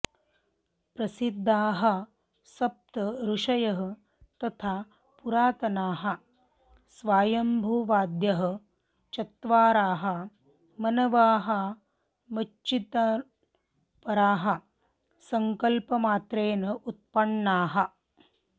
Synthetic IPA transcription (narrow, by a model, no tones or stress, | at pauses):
pɾɐsid̪ʱːaːɦɐ̆ | sɐp̚t̪ɐɾuʂɐjɐɦɐ̆ | t̪ɐt̪ʰaː | puɾaːt̪ɐnaːɦɐ̆ | sʋaːjɐmbʱuːʋaːd̪jɐɦɐ̆ | t͡ʃɐt̪ʋaːɾaːɦɐ̆ | mɐnɐʋaːɦɐ̆ | mɐt͡ʃːit̪ɐ | pɐɾaːɦɐ̆ | sɐŋkɐlpɐmaːt̪ɾeːnɐʔut̪̚pɐɳːaːɦɐ̆